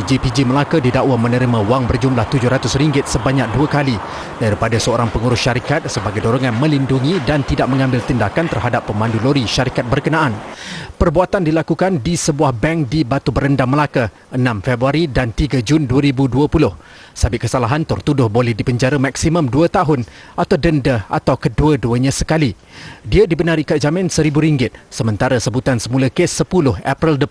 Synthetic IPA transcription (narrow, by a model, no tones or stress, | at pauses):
d͡ʒipid͡ʒiməlakədidaʔwamənəɾimãwaŋbərd͡ʒumlaht̪ud͡ʒʊhɾat̪ʊsriŋɡɪt̪̚səbaɲak̚duakali | d̥aɾipadasəoɾaŋpəŋuɾʊsʃaɾikat̪̚səbaɡajdoɾoŋanmə̃linduŋĩdant̪idaʔ̚mə̃ŋãmbɪlt̪indakant̪ərɦadapːəmãnduloɾiʃaɾikat̪̚bərkənãʔanpərbuat̪andilakukandisəbuahbɛŋk̚dibat̪ubəɾəndaməlakə | ʔənãmfɛbɾuaɾidant̪iɡad͡ʒunduəɾibuduəpulʊh | sabɪʔ̚kəsalaɦant̪ərt̪udʊhbolɛhdipəɲd͡ʒaɾamaksimə̃mduət̪aɦʊnʔat̪awdəndəa̰t̪awkəduəduəɲãsəkali | diadibənaɾikaʔ̚zamɪ̃nsəɾibuɾiŋɡɪt̪̚səmə̃nt̪aɾasəbut̪ansəmulakesːəpulʊha̰pɾɛldə